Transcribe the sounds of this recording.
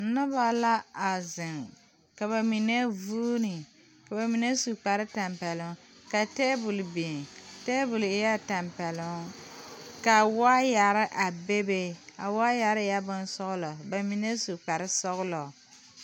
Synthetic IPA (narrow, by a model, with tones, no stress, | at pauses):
nʊ˦ba˨la˦a˨zɪ˨ŋ | ka˨βa˨mi˨ne˦vuː˦nɨ˨ | ka˨ba˨mi˨ne˦su˨k͡pa˨ɾɪ˦ta˨mpɛ˨lʊ˨ŋ | ka˨tɛː˦bʊ˨lbi˨ŋteː˦bʊ˨lɪ˦ja˦ta˨mpɛ˨lʊ˦ŋ | ka˨waː˦ja˨ɾɪ˦ʔa˨be˦be˦a̰˨waː˦ja˨ɾɪ˦ja˦bʊ˦n˦sɔ˦ɣʊ˦lɔ˨ba˨mi˨ne˦su˨k͡pa˨ɾɪ˦sɔ˦ɣʊ˦lɔ˨